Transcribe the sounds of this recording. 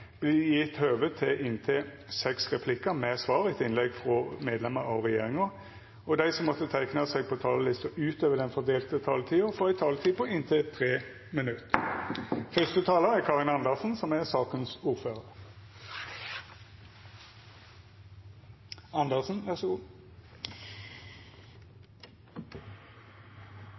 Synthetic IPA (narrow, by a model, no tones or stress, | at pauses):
b̥lɪjɪt̪høːʋət̪ʰːɪʔɪnt̪ʰɪ | sɛksʁɛpʰlɪkəmɛsʋɑːʁɪt̪ɪnlɛɡfʁɔmeːd̪lɛməɾɑʋʁɛjeːʁɪŋə | ɔd̪æɪsɔmːɔt̪ːət̪ʰæɪknɑsɛɡ̚pʰɔt̪ʰɑːləlɪst̪əʔʉːt̪øːʋəd̪ɛnfɔʁd̪eːlt̪ət̪ʰɑːlt̪ʰiːʊfɔʁæɪt̪ʰɑːlət̪ʰiːpɔɪnt̪ʰɪt̪ʰʁeː | mənʉt̪ | fœst̪ət̪ʰɑːləæʁkʰɑːʁɪnɑnd̪əʁsn̩sɔmæʁsɑːkənsuːʁføːʁəʁ | ɑnd̪əʁsn̩ʋæʁsɡu